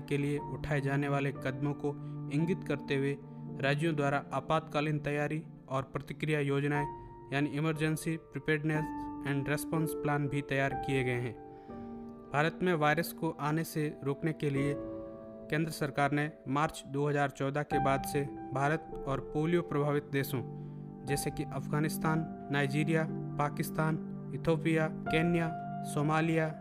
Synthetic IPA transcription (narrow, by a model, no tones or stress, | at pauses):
kelieʔʊʈʰaːed͡ʒaːneʋaːlekɐd̪mõkoɪ̃ŋɡɪt̪kɐɾt̪eɦʊwe | ɾaːd͡ʒjõd̪waːɾaʔaːpaːt̪kaːlɪnt̪ɐjaːɾi | ɔːɾpɾɐt̪ɪkɾijajoːd͡ʒnae | jaːniɪməɾd͡ʒə̃nsipɾɪpeːɖnesɛ̃ːɳɖɾespɔ̃ːnsplãːnbʱit̪ɐjaːɾkijeɡɐeɦɛ̃ː | bʱaːɾət̪mẽʋaːɪɾəskoʔaːneseɾoːknekelie | kẽːnd̪ɾəsəɾkaːɾnẽmaːɾt͡ʃd̪oːɦəzaːɾt͡ʃɔːd̪akebaːd̪sebʱaːɾət̪̚ɔːɾpoːlijopɾɐbʱaːʋɪt̪̚d̪eːsõ | d͡ʒɛːsekiʔɐfɡaːnɪst̪aːnː | aːɪd͡ʒiːɾijapaːkɪst̪aːn | ɪt̪ʰoːpijakeːnja | soːmaːlija